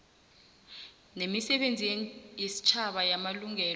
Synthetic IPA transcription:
nemisɛɓend͡zʱijesi̥t͡ʃʰaɓajamaluŋɛːl

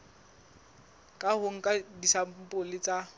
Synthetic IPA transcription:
kʼahʊŋ̩kʼadisam̩pʼʊlɪt͡sʼa

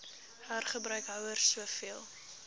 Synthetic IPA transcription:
hæːrχəbɾœɥkɦœwərsuəfiəlˠ

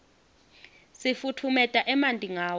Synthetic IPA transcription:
sifutʰumɛtʼaʔɛmantʼiŋaːwɔ

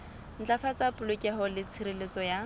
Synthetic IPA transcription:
n̩t͡ɬafat͡sapʊlʊkʼɛɦɔlɪt͡sʰɪɾilet͡sɔja

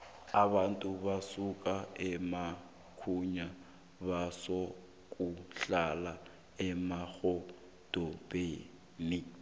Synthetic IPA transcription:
aβantʼuβasukʼaɛma | kʰuɲa | βasɔ | kʼuɬala | ɛmaɣɔ | d̥ʼɔpʼe | ni

